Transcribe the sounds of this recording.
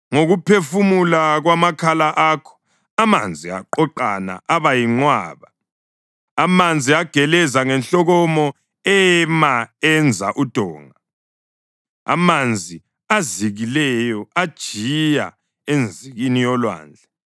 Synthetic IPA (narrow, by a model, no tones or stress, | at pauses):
ŋoɣupʰefumulaɣwamakʰalaʔaːkʰɔ̥ | ama̰nd͡zʱia̰ǃɔǃana̰ʔaβajiŋ͡ǃwa̰ːβa | amand͡zʱiaɡ̥ʱɛlɛzaŋɛnɬɔɣɔmɔ | ɛmaɛnd͡zʱa̰ʔud̥ʱɔːŋa | a̰mand͡zʱi | aziɣilɛjɔad̥ʒ̥ʱija̰ | end͡zʱiɣinijɔlwa̰ːnd͡ɮʱɛ